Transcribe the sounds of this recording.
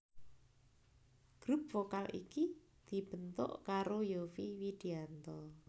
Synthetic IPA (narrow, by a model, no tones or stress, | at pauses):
ɡ̥ɾup̚fokalʔḭki | d̪̥i̤b̥ə̤nt̪ʊ̰ʔkaɾojofiwid̪̥iant̪ɔ